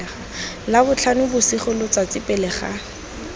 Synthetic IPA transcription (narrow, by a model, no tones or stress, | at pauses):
χa | labʊt͡ɬʰanʊbʊsiχʊlʊt͡sat͡sɪpʼɛlɛχa̰